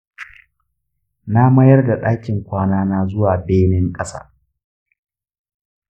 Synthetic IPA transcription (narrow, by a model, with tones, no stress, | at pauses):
na˦mɐ˦jɐ˦rda˨ɗaː˦kʲɪ˨ŋkʷaː˦naː˦naː˦zʊ˦waː˨beː˦nɪ˦ŋkʼɐ˦sa̰ː˦